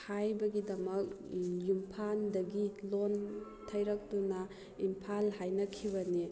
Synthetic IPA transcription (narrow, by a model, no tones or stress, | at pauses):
hajbɐɡidɐmɐk̚jumpʰandɐɡilon | tʰɐjɾɐk̚tunɐ | impʰalɦajnɐkʰiβɐni